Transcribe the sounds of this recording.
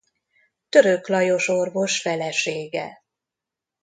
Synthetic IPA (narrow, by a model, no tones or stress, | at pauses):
t̪ø̞ɾøklɒjo̞ʃo̞rvo̞ʃfɛlɛʃeːɡɛ̰